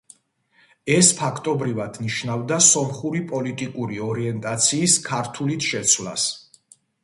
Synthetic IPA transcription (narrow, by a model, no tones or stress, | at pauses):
ɛspʰakʰt̪ʼɔbɾivad̪̥niʃnavd̪asɔmχuɾipʼɔlit̪ʼikʼuɾiɔɾiɛnt̪ʼat̪sʰiːskʰaɾt̪ʰulit̪ʰʃɛt̪sʰwla̰s